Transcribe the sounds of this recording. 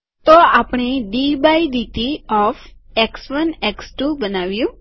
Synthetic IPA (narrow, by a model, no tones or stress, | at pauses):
t̪oapəɳ̃eɖibaid̪it̪iɔfeksʋəneksʈubənaʋjũ